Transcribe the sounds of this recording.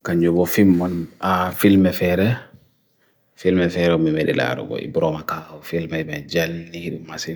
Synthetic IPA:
kaɲd͡ʒɔbɔfimːɔnafilmɛfɛɾɛ | filmɛfɛɾɛɔmimedḭla̰ɾṵɡɔ̰ʔḭbɾɔmakafilmɛmad͡ʒalniɗumasin

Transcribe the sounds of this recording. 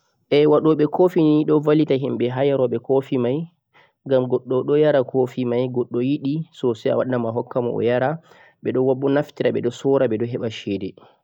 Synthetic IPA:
ʔɛwaɗɔɓɛkʰofiniɗɔvalitaɦimɓɛɦajaɾɔɓɛkofimaj | ɡamɡɔɗːɔɗɔjaɾakʰofimajɡɔɗːɔjiɗisɔsɛa̰waɗamaɦɔkːamɔ̰ɔ̰jaɾa | ɓɛɗɔwaɓːɔnaftiɾaɓɛɗɔsɔɾaɓɛɗɔɦɛɓaʃɛːdɛ

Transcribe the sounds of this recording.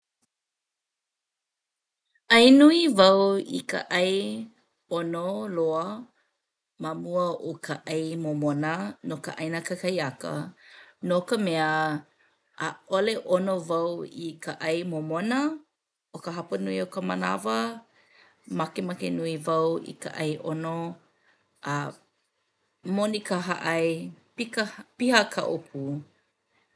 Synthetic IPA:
ɐjnuivɐwḭkə̰ʔɐj | onoloə | mamuəokʰəʔɐjmomonənokə̰ʔɐjnəkəkʰɐjɐkə̰nokəmeəː | ʔoleʔonovɐwikʰaʔɐjmomonɐ | okəɦɐpɐnuiokəmɐ̰na̰vɐ | mɐkemɐkenuivɐwḭka̰ʔɐjʔono | ʔɐ | monikəɦa̰ʔɐjpikpihɐkʰɐ̰ʔopʰu

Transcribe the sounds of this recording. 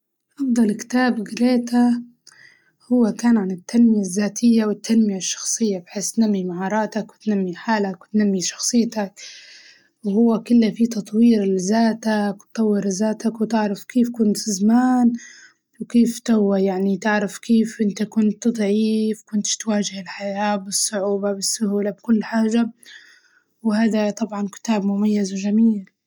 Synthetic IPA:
ʔɑfd̪ˤɑlkt̪aːbɡɪɾeːt̪a | hʊwːakaːnʕanɪt̪ːanmɪjazːaːt̪ʰɪjːawɪt̪ʰːanmɪjaʃːɑ̥xsˤɨjːabħeːst̪namːimaʕɑːɾˤɑːt̪akwɪt̪namːiħaːlakwt̪namːiʃɑ̥xsˤɨjːt̪ak | whʊwːakɪlːafit̪ɑt̪ˤwiːɾɪlzaːt̪akt̪ˤːɑwːɪɾzaːt̪akwt̪ɪʕɾafkeːfkʊnt̪ɪzamaːn | wkeːft̪awːajaʕnit̪ɪʕɾafkeːfʔɪnt̪akʊnt̪ːɨd̪ˤʕiːfkʊnt̪ɪ̥t̪waːʒɪhɪlħajaːbɪsˤːʊʕuːbabɪsːʊhuːlabkʊlːħaːʒa | whaːd̪at̪ˤɑbʕɑnkɪ̥t̪aːbmʊmajːazwʒamiːl

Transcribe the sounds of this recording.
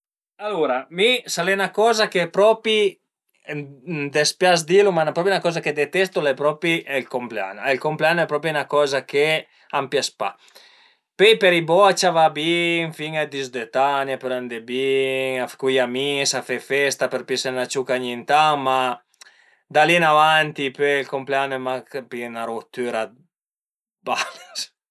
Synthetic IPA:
aluɾamisalenakɔːzakepɾɔpi | md̪espjasd̪ilumanapɾɔpjunakɔːzaked̪et̪ɛst̪ulɛpɾɔpiʔɛlkomplea̰nɛlkompleanɛpɾɔp̬ɾjiunakɔːzake | ampjaspa̰ | pejpeɾibɔt͡ʃavabiŋfiŋɛd̪izd̪et̪anjapeɾand̪ebiŋafkujamisafefɛst̪apeɾpisenat͡ʃukaɲint̪ama | d̪alinavant̪ipeilkompleanɛmakpinaɾot̪ːyɾa | bales

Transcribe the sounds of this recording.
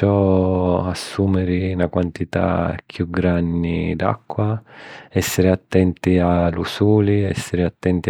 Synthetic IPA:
ɔ | asːuːmɛɾɪnakwant̪it̪a̰kʰjuɡɾandid̪a̰kːwaɛsːɪɾɪat̪ːɛnt̪ialusuːliɛ̰sːɪɾɪat̪ːɛnt̪i

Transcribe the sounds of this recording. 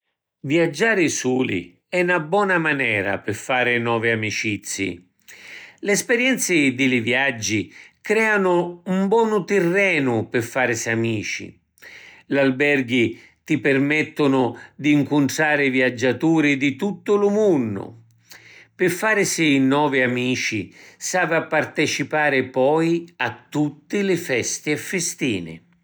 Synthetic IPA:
vjad͡ʒːaːɾɪsuːlḭ | ɛnabwɔːnamanɛːɾa̰pɪfːaːɾɪnɔːviamit͡ʃit̪sːḭ | lɛspɛɾjɛnt̪sɪd̪ɪlɪvjad͡ʒːikɾɛːanʊumbwɔːnʊt̪ɪrːɛːnʊpɪfːaːɾsiamiːt͡ʃḭ | lalbɛrɡi | t̪ipɪrmɛt̪ːʊnʊd̪iːŋkʊnʈ̪ɾaːɾɪvjad͡ʒːat̪uːɾɪd̪it̪ut̪ːʊlʊmunːʊ̰ | pɪfːaːɾsiːnɔːvɪamiːt͡ʃisaːvapːart̪ɛt͡ʃipaːɾɪpɔjat̪ːut̪ːɪlɪfɛst̪iɛfːɪst̪iːnɪ̰

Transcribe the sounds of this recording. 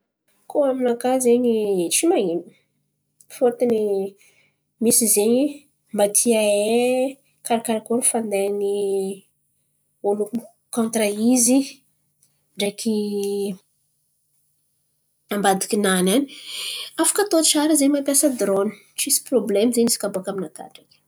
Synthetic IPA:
koaminakazeɲit͡ʃimaimi̥ | fot̪ini | misizeɲi | mat̪ʰiae | kaɾakaɾakonifand̪eani | oluku | kõnt̪raizi | ɳɖ͡ʐekʰi | ambad̪ikʲinanani̥afḁkət̪ot͡ʃaɾizeɲimapjasəd̪ɾoni̥t͡ʃisi̥problemzeɲisi̥kaboakaminat̪a̰ʈ͡ʂak

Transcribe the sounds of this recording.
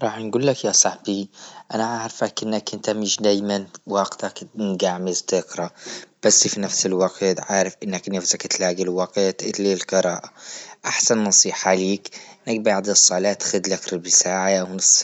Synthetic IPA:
ɾˤɑːħnɡuːlːakjasˤɑħbiʔanaʕaʕɾfakʔɪnːakʔɪnt̪amɪʃd̪aːjmanwɑːɡt̪aknɡaʕmɪzt̪ɪqɾˤɑb̥asːfinafsɪlwɑqt̪ʕaːʕɾɪfʔɪnːaknafzakt̪laːɡilwɑqt̪ʔɪlːilqɨɾˤɑːʔaʔaħsannɑsˤiːħaʕliːkʔɪnːak̚baʕd̪isˤːɑːlaːt̪xʊd̪lakɾɪbisaːʕajawnsˤ

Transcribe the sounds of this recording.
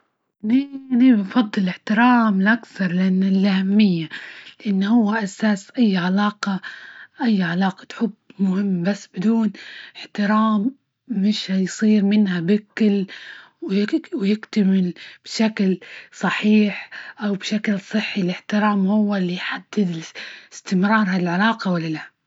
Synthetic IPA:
ninibɪnfɑd̪ˤːɨlɪħt̪ɪɾaːmlʔakθɑɾˤlɪʔanːɪlʔahamːɪjːalɪʔanːhʊwːaʔasaːsʔajːʕalaːqɑʔajːʕalɑːqɑ̥t̪ħʊbːmʊhɪmːbasːbɪd̪uːnɪħt̪ɪɾaːmː | ɪʃhajsˤiːɾmɪnhabɪkɪl | wjɪwjɪkt̪amɪlb̥ʃaklsˤɑħiːħʔawbʃaklsˤɨħːilɪħt̪ɪɾaːmhʊwːalːijħad̪ːɪd̪ɪst̪ɪmɾˤɑːɾˤɦalʕalaːqɑwalːalahm

